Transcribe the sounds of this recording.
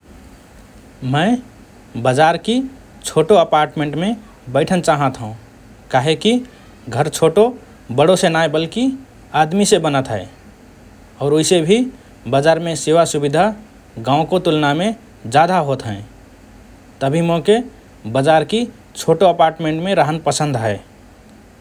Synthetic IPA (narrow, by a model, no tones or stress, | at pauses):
mə̃ɪ | bəd͡ʒaɾki | t͡ʃʰoːʈoəpaːɾʈmẽːɳʈmẽ | bəɪʈʰənt͡ʃaːɦə̃t̪ɦũ | kaɦeki | ɡʱəɾt͡ʃʰoːʈo | bəɽosenaːebəlki | ad̪misebənət̪ɦə̰ | ɔːɾoisebʱi | bəd͡ʒaːɾmẽsewasubid̪ʱa | ɡãːʊ̃kot̪ulnamẽ | d͡ʒad̪aɦot̪ɦɛ̃ẽ | t̪əbʱimõke | bəd͡ʒaɾki | t͡ʃʰoʈoəpaːɾʈmẽɳʈmẽɾaɦənpəsə̃nd̪ʱɦɛː